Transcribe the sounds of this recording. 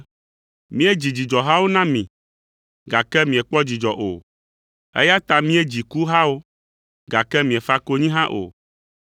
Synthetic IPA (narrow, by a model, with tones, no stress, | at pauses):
mĩ˦e˦d͡ʑi˨d͡ʑi˨d͡ʒɔ˨ɦa˦wo˦nã˦mĩ˨ | ɡa˨kɛ˦mĩ˨ɛ˨k͡pɔ˦d͡ʑi˨d͡ʒɔ˨ʔo̰˨ | ḛ˦ja˦t̪a˨mĩ˦e˦d͡ʑi˨ku˦ɦã˦wo˦ | ɡa˨kɛ˦mĩ˨ɛ˨fa˦ko˦ɲĩ˦ɦã˦ʔo̰˨